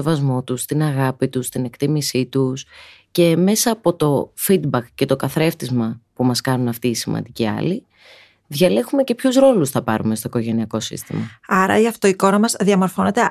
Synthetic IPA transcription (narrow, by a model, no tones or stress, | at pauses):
evɐzmo̞t̪ust̪inɐɣɐpit̪ust̪ine̞kt̪imisit̪us | ce̞me̞sɐːpo̞t̪o̞fid̪bɐkce̞t̪o̞kɐθɾe̞ft̪izmɐpumɐskɐnunɐft̪iːsimɐ̰nd̪iciɐ̰li | ðʝɐle̞xume̞ce̞pçusɾo̞lusθɐpɐɾume̞st̪oiko̞ʝe̞niɐko̞sḭst̪imɐɐɾɐ̰iɐft̪oiko̞ɾɐmɐzðiɐmo̞ɾfo̞ne̞t̪e̞